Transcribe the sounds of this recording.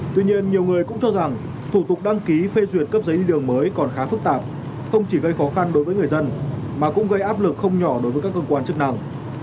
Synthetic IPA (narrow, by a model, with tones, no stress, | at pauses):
t̪wi˧ɲi˧ənɲi˨˩əwŋɨ˨˩əjkʊ̰˧˥ŋ͡mt͡ɕɔ˧za˨˩ŋ | t̪ʰu˧˩t̪ʊ˨˩k͡pk̚ɗa˧ŋki˨˦fe˧zwi˨˩ət̚kə˦˥p̚zə˨˦jɗi˧ɗɨ˨˩əŋməː˨˦jkɔ˨˩nxaː˨˦fɨ˦˥k̚t̪aː˨˩p̚ | xə˧wŋ͡mt͡ɕi˧˩ɣə˧jxɔ˨˦xa˧nɗo˨˦jvəː˨˦ŋ˨˩ə˩jzə˧nmaː˨˩kʊ̰˧˥ŋ͡mɣə˧jʔaː˦˥p̚lɨ˨˩k̚xə˧wŋ͡mɲɔ˧˩ɗo˨˦jvəː˨˦ka˦˥kːəː˧kwaː˧nt͡ɕɨ˦˥ək̚na˧ŋ